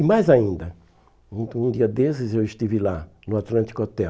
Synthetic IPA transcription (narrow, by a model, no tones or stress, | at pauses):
ɪmajzaĩnd̪ɐ | ũũd̪iɐd̪esɪzewɪʃt̪ivilanʊat̪lɐ̃nt͡ʃ̪ikɔt̪ɛ